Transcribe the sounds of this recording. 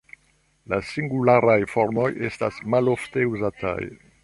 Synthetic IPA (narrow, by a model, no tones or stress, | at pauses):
lasiŋɡulaɾajfo̞ɾmo̞je̞stasmalo̞fte̞uzatʰa̰j